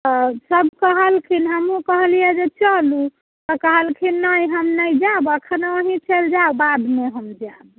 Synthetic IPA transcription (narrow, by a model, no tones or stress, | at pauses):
t̪ɔsəbʱkəɦəlkʰinɦəmɦũkəɦlijɛd͡ʒet͡ʃəlu | t̪ɔkəɦəlkʰinəjɦəmnəjd͡ʒabəkʰənəɦĩt͡ʃəld͡ʒaubad̪meɦəmd͡ʒab